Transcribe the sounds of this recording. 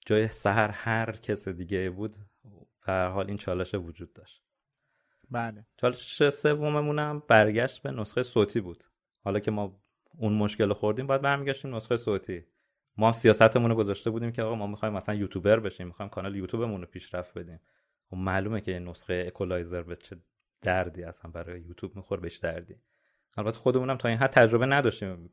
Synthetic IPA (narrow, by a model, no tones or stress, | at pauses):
d͡ʒɒːjesæɦæɾhæɾcʰesid̪iːɟeibuːd̪ | b̥ehæɾhɒːliːnt͡ʃʰɒːleʃevod͡ʒuːd̪̚ːɒʃt̪ | balt͡ʃʰɒːleʃe̥ʃese̞vːo̞memunæmbæɾɟæʃt̪̚be̞nosxejsoːt̪ʰiːbuːd̪̥ | hɒlɒːcʰe̞mɒː | unmoʃce̞loxoɾd̪iːmbɒjæd̪̚bæɾmiːɟæʃt̪iːmnosxejesoːt̪ʰiː | mɒːhæmsijɒːsæt̪ʰemunoɡo̞zɒːʃt̪e̞buːd̪iːmcʰeɒːɣɑmɒːmixɒjmæsænjuːt̪ʰuːbe̞ɾbeʃiːmːixɒːjmkʰɒːnɒlejuːt̪ʰuːbe̞munopʰiːʃɾæft̪̚be̞d̪iːm | xobmæːluːmecʰe̞jenosxejeːkʰolɒjzeɾbet͡ʃʰe̞ | d̪̥æɾd̪iːæsænbæɾɒ̰ːjejuːt̪ʰuːbmixoɾbeʃd̪æɾd̪iː | ʔælbæt̪ʰːxo̞d̪e̞munæmt̪ʰɒːiːnɦæd̪̚tːʰæd͡ʒɾo̞benæd̪ɒːʃt̪iːm